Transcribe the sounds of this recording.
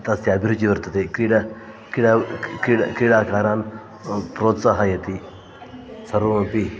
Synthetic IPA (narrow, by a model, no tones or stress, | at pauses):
t̪ɐst̪iɐbʱiɾut͡ʃiʋɐɾt̪ət̪ekɾiɽa | kiɽakiɽ̰kɾiɽakaːɾan | pɾot̪saɦajɐt̪i | sɐɾõpi